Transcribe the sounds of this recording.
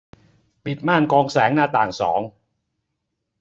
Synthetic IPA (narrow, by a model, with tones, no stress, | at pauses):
pi˨˩t̪̚maː˥˩nkɔː˧ŋsɛː˩˦ŋnaː˧˩t̪aː˨˩ŋsɔ̰ː˩˦ŋ